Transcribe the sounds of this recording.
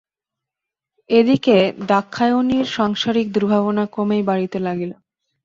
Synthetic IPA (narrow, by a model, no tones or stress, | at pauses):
ed̪iked̪akʰːaeoniɾʃaŋʃaɾik̚d̪uɾbʱaβonakomejbaɽit̪elaɡilo